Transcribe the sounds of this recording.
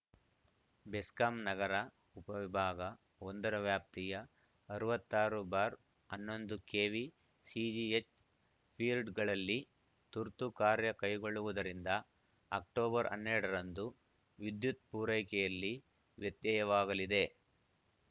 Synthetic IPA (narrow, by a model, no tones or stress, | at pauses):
beskamnɐɡɐɾɐ | upɐʋibʱaːɡɐ | ond̪ɐɾɐʋjaːp̚t̪ijɐː | ɾuʋɐt̪ːaːɾubaːɾ | ɐnːo̞nd̪ukeːʋi | siːd͡ʒiet͡ʃ | pʰiːlɖɡɐɭɐlːi | t̪uɾt̪ukaːɾjɐkɐjɡo̞ɭːuʋud̪ɐɾind̪ɐː | k̚ʈoːbɐɾɐ̰nːɛɾɽɐɾɐnd̪u | ʋid̪jut̪̚puːɾɐjkɛjɐlːi | ʋjɐt̪jɐjɐʋaːɡɐlid̪e̞